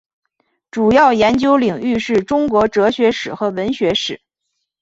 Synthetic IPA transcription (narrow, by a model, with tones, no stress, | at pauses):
ʈ͡ʂu˨˩jɑ˥˩ʊjɛ˧˥nt͡ɕjo˥ʊli˨˩ŋy˥˧ʂɻ̩˥˩ʈ͡ʂʊ˥ŋkwɔ˧˥ʈ͡ʂɤ˧˥ɕɥɛ˧˥ʂɻ̩˨˩xɤ˧˥wə˧˥nɕɥɛ˧˥ʂɻ̩˨˩˦